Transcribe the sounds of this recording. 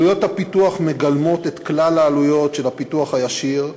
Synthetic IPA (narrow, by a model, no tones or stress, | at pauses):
ujo̞t̪hapituaχmeɡalmo̞t̪et̪klalaːlujo̞tʃelhapit̪uaχhajaʃiʁ